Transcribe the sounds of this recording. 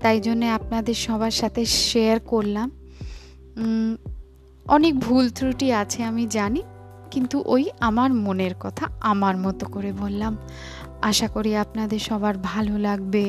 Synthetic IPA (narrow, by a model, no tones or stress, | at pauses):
t̪ajd͡ʑonːeap̚nad̪eɾʃɔbʱaɾʃat̪ʰeʃeaɾkoɾlam | ɔnek̚bʱult̪ʰɾuʈiat͡ɕʰeamid͡ʑani | kint̪uʔojamaɾmoneɾkɔt̪ʰaamaɾmɔt̪okoɾebolːam | aʃakoɾiapnad̪eɾʃɔbʱaɾbʱalolaɡbe